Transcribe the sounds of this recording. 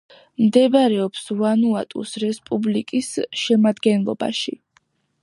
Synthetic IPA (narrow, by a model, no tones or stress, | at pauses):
md̪ɛbaɾɛɔpsvanuat̪ʼṵsɾɛspʼublikʼisʃɛmad̪ɡɛnlˠɔ̰ba̰ʃḭ